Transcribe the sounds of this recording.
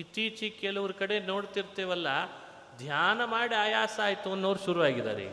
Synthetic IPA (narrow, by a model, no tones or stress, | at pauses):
it̪iːt͡ʃikɛlɐʋɾukɐɽe̞noːɽt̪iɾt̪eːʋɐlːɐ | d̪ʱjaːnɐmaːɽiaːjaːsaːjt̪uɐnːɐːɾuʃuɾuʋaːɡid̪a̰ːɾḛ